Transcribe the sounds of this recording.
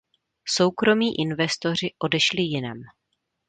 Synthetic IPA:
so̞wkɾo̞miːʔɪnvɛst̪o̞r̝ɪʔo̞dɛʃlɪjɪnɛ̰m

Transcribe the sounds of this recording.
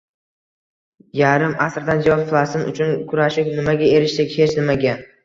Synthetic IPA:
jaɾɪmasɾd̪and͡ʒawɒpflˠast̪ɪnʊ̰t͡ʃʰʊnkʰʊɾaʃɪpnɪmaɡʲae̞ɾɪʃt̪ekʲhet͡ʃʰnɪmaɡʲa

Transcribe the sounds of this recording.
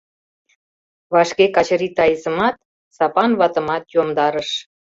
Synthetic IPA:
βɑʃkekɑt͡ɕə̆ɾit̪ɑjəzə̆mɑt̪̚ | sɑpɑnβɑt̪ə̆mɑt̪jomd̪ɑɾəʃ

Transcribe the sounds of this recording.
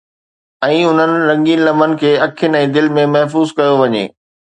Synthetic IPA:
ɛ̃ːʊn̤ənɪ̆ɾɐ̃ŋɡinlɐmənɪ̆kʰeːɐkʰɪnɪɛ̃ːd̪ɪlmẽmɐɦfuːzkɐjoʋɐɲḛː

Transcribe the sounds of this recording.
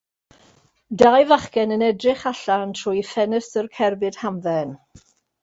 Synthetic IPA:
dajvaχkɛnənɛdrɪχaɬantʰrʊjfɛnəsərkʰɛrbɨd̥hamvɛn

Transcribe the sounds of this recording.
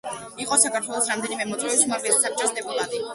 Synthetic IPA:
iqʼɔsakʰaɾt̪ʰwɛlˠɔsɾamd̪ɛnimɛmɔt̪sʼɾɛvisumavilisap̚t͡ʃʼɔsd̪ɛbulˠad̪i

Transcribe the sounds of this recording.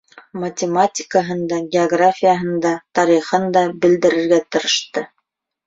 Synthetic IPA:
mɐtʲɪmatʲɪ̥kəɦɤ̆nd̪ɑɡʲɪoɡrafʲijaɦɤ̆nd̪ɑt̪ɑɾiχɤnd̪ɑbɘ̆ld̪ɘ̆ɾɘ̆ɾɡæt̪ɤ̆ɾɤ̆ʃt̪ɤ

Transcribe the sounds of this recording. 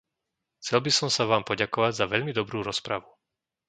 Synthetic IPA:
xt͡sɛlbisɔmsaʋaːmpɔɟakɔʋaɟzaʋɛʎmid̪ɔbɾuːɾɔspɾaʋu

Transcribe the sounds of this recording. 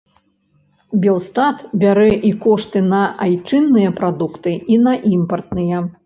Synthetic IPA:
bʲɛlˠst̪at̪bʲaɾɛʔikɔʂt̪ɨnɐajt͡ʂɨnːɨjɐpɾad̪ukt̪ɨinɐʔimpɐrt̪nɨjɛ

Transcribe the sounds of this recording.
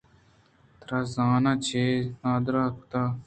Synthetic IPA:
t̪ɾazaːnat͡ʃʰeːnaːd̪ɾaːkt̪aː

